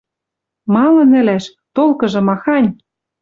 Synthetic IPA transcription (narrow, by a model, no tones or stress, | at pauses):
mɑlɤ̆nɘ̆læʃ | t̪olkɤ̆ʒɤ̆mɑxɑnʲ